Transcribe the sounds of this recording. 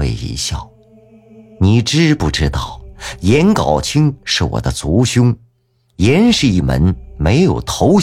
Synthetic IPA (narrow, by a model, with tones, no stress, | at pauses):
e˥˧˩ɪḭ˧˥ɕjɑ˥˩ʊ | ni˨˩ʈ͡ʂɻ̩˥pu˥˩ʈ͡ʂɻ̩˥t̪ɑ˥˩ʊjɛ˧˥nkɑ˨˩ʊt͡ɕʰi˥ŋʂɻ̩˥˩wɔ̰˨˩d̪ə˦t͡su˧˥ɕʊ˥ŋ | jɛ˧˥nʂɻ̩˥˧i˥˩mə̰˧˥nme˧˥ɪjo˨˩ʊt̪ʰo˧˥ʊ